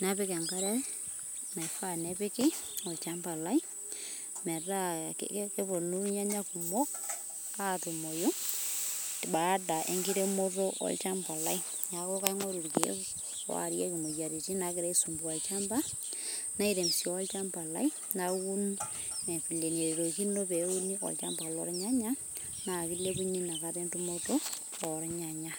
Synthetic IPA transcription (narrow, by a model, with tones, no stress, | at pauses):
na˦pɪ˦kɛ˨ŋɡa˦ɾɛ˦ | na˨i˨fa˦nɛ˦pɪ˦kɪ˦ɔ˨lt͡ʃa˦mba˨la˦i˦ | mɛ˨ɾa̰˦ke˦pɔ˨nu˦ɲa˦ɲa˦ku˨mɔ˦k̚ | a˦˨tu˨mɔ˨jo˦ | tba˨˦da˨ʔḛ˨˦ŋɡɪ˦ɾe˦mɔ˦ɾɔ˦ʔɔ̰˦lt͡ʃa˦mba˨la˦i˦ | ɲa˨kɔ˦ka˦i˦ŋɔ˦ɾu˨ɾkḛ˦ | wa̰˨ɾje˦ki˨mo˨ja˨ɾi˨ti˦na˨ki˦ɾe˦i˦su˨mbu˨a˨lt͡ʃa˦mba˦na˦i˦ɾe˨msjo˨a˦lt͡ʃa˦mba˨la̰˦i˦ | na˦ku˦ne˨fi˨le˨ne˨ɾe˨ɾo˨ki˦no˦pe˨u˦ni˦ɔ̰˨lt͡ʃa̰˦mba˨lɔ̰˦ɾa˦ɲa˦ɲa˦ | na˨ki˦le˦ku˦ɲi˦na˨ka˦te˦ntu˦mo˦to˦ɔ˨ɾa˦ɲa˨ɲa˦